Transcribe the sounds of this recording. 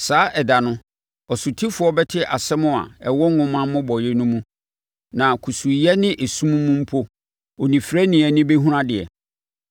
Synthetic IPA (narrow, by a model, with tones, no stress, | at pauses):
saː˨˦ʔɛ˨da˨nʊ̃˦ | ɔ˨sʊ˨tʰi˦fʊ˨˦ɔ˦bɛ˦tʰɪ˦ʔa˨sɛ˦mʊ̃˦˨a̰˨ɛ˨wɔ˦ŋ˦ŋʊ̃˦mã˦mʊ̃˦bɔ˨jɛ˦nũ˦mũ˦ | nã˨kʰu˨su˨jɛ˦nɪ̃˦ʔe˨sũ˦m̃˦mːũ˦m̩˦pʰo˦ | o˨nĩ˨fɾɛ˦nɪ̃˨ɛ˨nɪ̃˦be˦ɦũ˦ɾã˦dɪ˨ɛ̰˨